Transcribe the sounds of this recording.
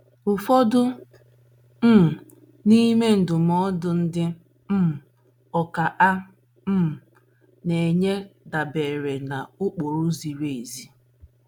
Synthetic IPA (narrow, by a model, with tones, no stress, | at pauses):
ʊ˨fɔ˦dʊ˦ | m̩˦˨ | ni˦me˦n̩˨dʊ˨mɔ˦dʊ˨n̩˦dɪ˦ | m̩˦˨ | ɔ˨ka˨ʔa˦ | m̩˦˨ | ne˨ɲe˦da˨be˨ɾe˨na˨ʊ˦k͡po˨ɾʊ˦zi˨ɾe˨e˨zi˨